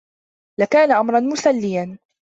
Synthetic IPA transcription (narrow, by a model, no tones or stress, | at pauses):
lakaːnaʔamɾˤɑnmʊsalːɪjan